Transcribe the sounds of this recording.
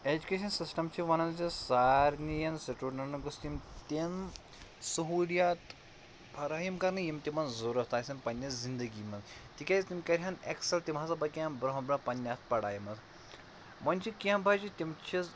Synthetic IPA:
ed͡ʒukʲeʃɐnsisʈɐmt͡ʃʰiʋɐnɐnd͡ʒisaːɾnijɐnseʈuɾnɐnɐɡɐst̪imt̪ʲin | sɐɦuljat̪ | pʰɐɾaːjimkɐɾnɨjimt̪ʲimɐnzoɾɐst̪ʰaːsʲɐmpɐnʲːɐzind̪ɐɡiːmɐzt̪ikʲaist̪imkɐɾʲɦanḛksɐlt̪imɦasɐbɐkiãnbɾɐɦɐ̃bɾɐ̃pɐnʲːaspɐɽa̰ːjimɐz | mɐnʲt͡ʃʰikiɐ̃mbʱad͡ʒit̪ʲimt͡ʃʰiz

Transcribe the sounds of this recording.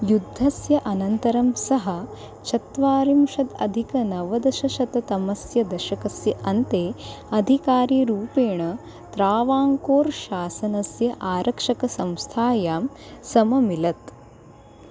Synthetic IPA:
jud̪ʱːɐsjɐʔɐnɐnt̪ɐɾɐmsɐɦɐ̆ | t͡ʃʰɐt̪ʋaːɾimʂɐt̪ɐ̰d̪ʱikɐnɐʋɐd̪ɐʃɐʃɐt̪ɐt̪ɐmɐsjɐd̪ɐʃɐkɐsjɐʔɐnt̪eːɐd̪ʱikaːɾiːɾuːpeːɳɐ | t̪ɾaːʋaːŋkoːɾʃaːsɐnɐsjɐʔaːɾʔɐkʂɐkɐsɐ̃mst̪ʰaːjaːmsɐmɐmilɐt̪

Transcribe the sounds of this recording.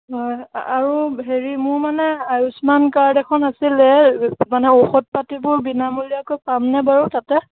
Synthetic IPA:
ɦɔjaɹuɦeɹimʊɹmanɛajusmankaɹdɛkʰɔnasilɛmanɛoxɔt̚patibʊɹbinamulijakojpamnɛbaɹɔtatɛ

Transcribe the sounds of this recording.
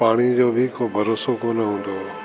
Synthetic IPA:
paːɽ̃id͡ʑoːbʱɪkoːbʱɐɾoːsokoːnəɦũːnd̪oː

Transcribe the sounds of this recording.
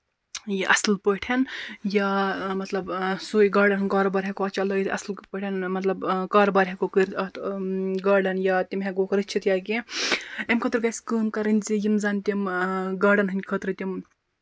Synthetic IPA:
jiʔɐ̰slpəʈʰɐnjaːmɐt̪lɐbsuːiɡaːɖɐnɦɨnʲkaːɾoːbaːɾʲɦʲekoɐːt͡ʃalɐiɐ̰slpəʈʰɐnmɐt̪lɐbkaːɾobaːɾʲɦekokɨɾʲɐt̪ɡaːɖɐnjaːt̪ʲimɦeɡoːkɐɾɨt͡ʃʰit̪jaːɡi | ɐmkʰɐt̪ɾɡɐsʲkɨːmkɐɾɨnʲzijimzaːnʲt̪ʲimɡaːɖɐnɦɨnʲkʰɐt̪ɾɨt̪ʲim

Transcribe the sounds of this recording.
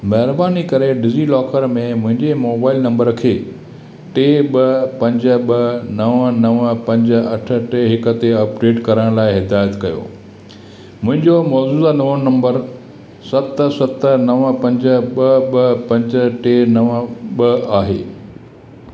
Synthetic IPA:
mɐɦɪɾbaːnikɐɾeɖɪzilɔːkəɾmẽmʊ̃ɦɪ̃ɲd͡ʑemoːbaːɪlnɐ̃mbəɾkʰeː | ʈeːɓɐpɐ̃ɲd͡ʑə̆ɓɐnɐʋənɐʋpɐ̃ɲd͡ʑ̆ɐʈʰə̆ʈeɦɪkə̆t̪eɐpɖeːʈkɐɾəɽ̃laːɪɦɪd̪aːjət̪kɐjo̰ː | mʊ̃ɦɪ̃ɲd͡ʑomɔːd͡ʑuːd̪anɐʋənnɐ̃mbəɾ | sɐt̪sɐt̪nɐʋəpɐ̃ɲd͡ʑə̆ɓɐɓɐpɐ̃ɲd͡ʑəʈeːnɐʋəɓɐaːɦḛː

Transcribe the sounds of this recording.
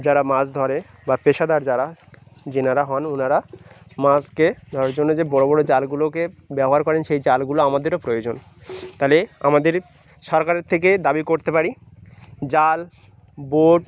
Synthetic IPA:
d͡ʑaɾamasd̪ʱɔɾe | bapeʃad̪aɾd͡ʑaɾa | d͡ʑinaɾaɦɔnonaɾamasked̪ʱɔɾaɾd͡ʑonːod͡ʑebɔɽobɔɽod͡ʑalɡulokebɛboɦaɾkɔɾenʃejd͡ʑalɡuloamad̪eɾopɾojod͡ʑon | t̪alea̰mad̪eɾ | ʃɔɾkaɾeɾt̪ʰek̬ed̪abikoɾt̪epaɾi | d͡ʑal | boɖ

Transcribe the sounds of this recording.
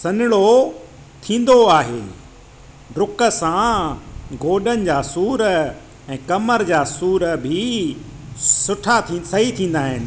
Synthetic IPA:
sɐnɪɭo | t̪ʰĩːn̆d̪oaːɦḛː | ɖɾʊkə̆sã | ɡoːɗənɪ̆d͡ʑaːsuːɾə | ɛ̃ːkɐməɾd͡ʑaːsuːɾəbʱɪ | sʊʈʰat̪ʰĩsɐɦit̪ʰĩːn̆d̪aːɦɪnɪ̆

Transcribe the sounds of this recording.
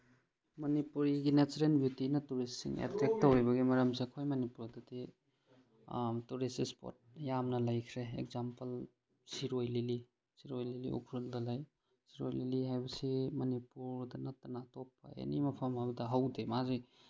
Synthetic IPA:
mɐnipuɾiɡinetɾenbjutinɐtuɾisiŋḛtɾek̚tːɐwebɐɡimɐɾɐmseɐkʰojmɐnipuɾdɐdi | tuɾisispo̰t̚jamnɐlajkʰɾeḛkzampɐl | siɾojlili | siɾojlilḭṵkʰɾuldɐlaj | siɾojliliɦajbɐsimɐnipuɾdɐnɐtːɐnatopːɐ̰ḛnimɐpʰɐmhabɐdɐɦawdemazi

